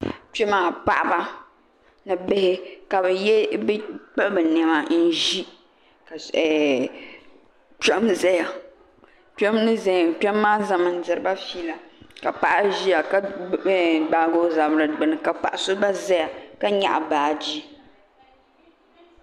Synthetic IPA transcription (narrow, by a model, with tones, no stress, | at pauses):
t͡ʃɛ˦maː˦˨k͡pa̰˨ʔa˨ba˦ | nɨ˨bɪ˦hɪ˦ka˨bɛ˨jɛ˦bɛ˦k͡pɛ˦bɨ˨nɛ˨ma˨n̩˦ʒi˦ | ka˨ɛ˨ | t͡ʃɛ˦mzɛ˦ja˨ | tɛ˦mnɨ˦zɛ˨k͡pɛ˦mː˦aː˦za˦mɨ˨n̩˨˦dɨ˨ɾɨ˨˦ba˦fiː˦la˨ka˨pa˨ʔa˦ʒi˦ja˨ka˦ | ɡ͡ba˨ɡo˦za˨bɾɨ˨ɡ͡bɨ˨nɨ˨ka˨k͡pa˨ʔa˨sʊ˦ba˦zɛ˦ja˨ka˦ɲa̰˨ʔa˨baː˨d͡ʒi˦